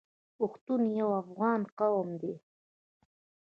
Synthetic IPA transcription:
ʊxt̪unjawafʁɑːnqɑwmd̪i

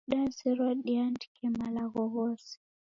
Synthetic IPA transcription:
ɗaziɾɔɗiantkʰɛmalaɣɔɣɔsi̥

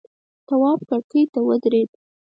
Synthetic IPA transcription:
t̪awɑb̚kaɽkəjt̪awəd̪ɾed̪̚

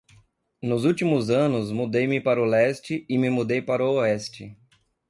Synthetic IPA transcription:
nʊzut͡ʃimʊzɐ̃nʊzmud̪ejmɪpaɾʊlɛst͡ʃɪɪmɪmud̪ejpaɾʊoɛst͡ʃɪ

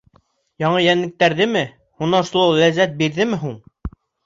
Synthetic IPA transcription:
jɑɴɤjænlɘ̆k̚t̪æɾðɘmɘ | hunɑʃulˠɑwlæzːæt̪̚biɾðɘmɘɦuɴ

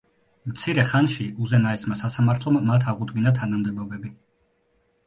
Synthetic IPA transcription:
mt̪sʰiɾɛχanʃiʔuzɛnaɛsmasasamaɾt̪ʰlˠɔmːat̪ʰaʁud̪ɡinat̪ʰanamd̪ɛbɔbɛbi

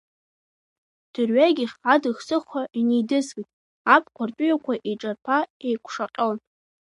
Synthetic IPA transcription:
d̥ɨrɥaɡʲiχadɨxsɨχʷaʔinejdɨzɡijtʼ | apʰʼkʷʰartʼʊjakʷʰaʔeʈ͡ʂʼarpʰaejkʷʰʂaqʲʼon

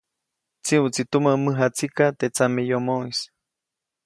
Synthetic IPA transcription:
t͡siut͡sit̪umamɨɦat͡sikat̪et͡samejomois

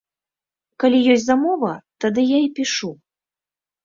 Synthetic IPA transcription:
kalʲijɔsʲzamɔvɐt̪ad̪ɨjaipʲiʂu

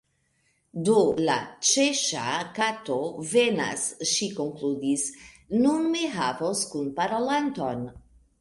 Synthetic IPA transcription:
d̪ola̰t͡ʃeʃa̰kat̪ovena̰sʃikoŋklud̪is | nunmeɦavoskunpaɾolant̪o̞n

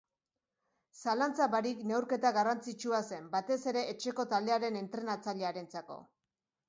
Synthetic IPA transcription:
salant͡saβaɾikne̞wɾke̞t̪aɣarant͡sit͡ʃuase̞mbat̪e̞se̞ɾe̞ʔːt͡ʃe̞ko̞t̪ald̪e̞aɾe̞ne̞nt̪ɾe̞nat͡saʎe̞aɾent͡sako̞̰

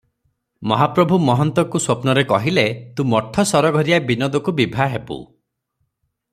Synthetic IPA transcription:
mɔɦapɾɔbʱumɔɦɔnt̪ɔkuswopnɔɾekɔɦilet̪ũmɔʈʰːɔsɔɾɔɡʱɔɾijabinɔd̪ɔkubibʱaɦepṵ

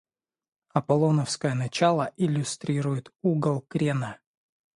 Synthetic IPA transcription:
ɐpɐlˠonəfskəjənɐt͡ɕalˠəʔɪlʲʊst̪ɾʲiɾʊjɪt̪uɡəlˠkɾʲenə

